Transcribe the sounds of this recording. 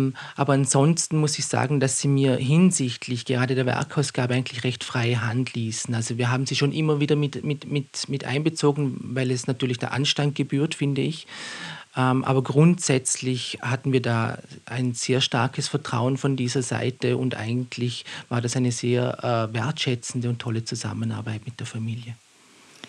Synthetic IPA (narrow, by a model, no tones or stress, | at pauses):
ʔaːbɐanz̥ɔnstn̩mʊsɪçz̥a̰ːɡŋ̩d̥asz̥iːmiːɐɦɪnzɪçtʰlɪçɡ̥əʁaːdədeːɐvɛ̰ɐkʰaʊsɡ̥aːbəʔaɪɡn̩tlɪçʁɛçtfʁ̥aɪəɦantliːsn̩alzoviːɐɦaːbm̩ziːʃoːnʔɪmɐviːdɐmɪtmɪtmɪtmɪtʔa̰ɪnbət͡soːɡn̩vaɪlɛsnatʰyːɐlɪçd̥a̰ːɐʔa̰nʃtant̚ɡ̥əbyːɐtfɪndəɪçʔɛmʔa̰ːbɐɡʁʊntz̥ɛt͡slɪçhatn̩viːɐdaːʔa̰ɪnz̥eːɐʃta̰ɐkʰəsfɛɐtʁ̥a̰ʊənfɔndiːzɐza̰ɪtəʊ̰ntʔa̰ɪɡn̩tʰlɪçv̥aːɐdasaɪnəzeːɐʔːveɐtʃɛt͡sn̩dəʊntʰɔlət͡suza̰məna̰ːɐbaɪtmɪt̚d̥eːɐfamiːljə